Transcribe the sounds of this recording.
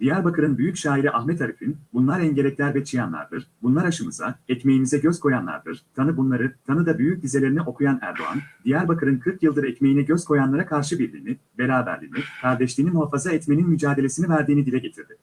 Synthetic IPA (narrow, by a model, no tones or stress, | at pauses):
d̪̥ijæɾbakʰɯɾɯnbyjycʃaːiɾiʔaxmɛt̪ʰaɾifinbunlˠaɾɛɲɟelʲɛclʲæɾbɛt͡ʃijanlˠa̰ɾd̪ɯ̰ɾ̥bunlˠaɾaʃɯmɯ̰za̰ɛcme̞jimizɛɟøzkʰo̞janlˠa̰ɾd̪ɯ̰ɾ̥t̪ʰanɯbunˠaɾɯt̪ʰanɯd̪abyjyc̚d̪izelʲe̞ɾiniʔo̞kʰujanæ̰ɾd̪o̰a̰nd̪ijæɾbakʰɯɾɯnkʰɯɾkjɯlˠd̪ɯɾɛcme̞jinɛɟøz̥kʰo̞janlˠaɾakʰaɾʃɯbiɾlʲḭːni | be̞ɾaːbæ̰ɾd̪ḭːnikʰaɾd̪ɛʃlʲiːnimuɦafazaɛt̪me̞ninmyd͡ʒaːd̪e̞lʲesinivæɾd̪iːnid̪ilʲɛɟe̞t̪ʰiɾd̪ɪ